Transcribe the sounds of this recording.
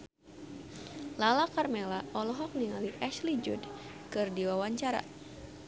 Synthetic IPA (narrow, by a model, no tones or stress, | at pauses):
lalakarmelaʔɔlɔɦɔk̚niŋaliʔɛʃlid͡ʒṵd | kɨrdiwawaɲt͡ʃaɾa̰